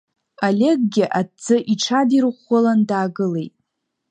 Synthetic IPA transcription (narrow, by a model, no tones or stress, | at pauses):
alʲe̞ɡ̚ɡʲɪʔadd͡zɨʔiʈ͡ʂʰadirχʷolandaːɡɨle̞jtʼ